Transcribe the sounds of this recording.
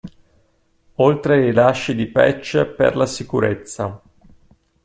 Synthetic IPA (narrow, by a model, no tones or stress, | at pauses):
olt̪ɾeɾilaʃːid̪ipɛ̰t͡ʃːepḛrlasikuɾet̪sːa